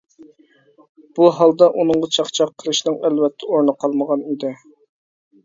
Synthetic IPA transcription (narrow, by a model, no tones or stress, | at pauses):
b̥uɦɑlˠd̪ɑʔunɨŋʁɑt͡ʃʰɑχt͡ʃʰɑqʰːəlˠɨʃnɨŋælvɛt̪ʰːɛoɾnəqʰɑlˠməʁɑnid̪ɪ